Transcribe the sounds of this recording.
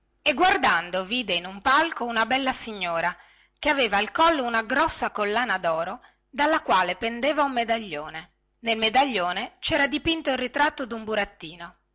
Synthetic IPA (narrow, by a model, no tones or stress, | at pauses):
eɡward̪and̪oviːd̪einumpalkounabɛlːasiɲːoːɾa | keaveːvaːlkɔlːounaɡɾɔsːakolːaːnad̪ɔːɾo | d̪alːakwaːlepend̪eːvaumːed̪aʎːoːne | nelmed̪aʎːoːnet͡ʃɛːɾad̪ipint̪oilrit̪ɾat̪ːod̪umbuɾat̪ːiːno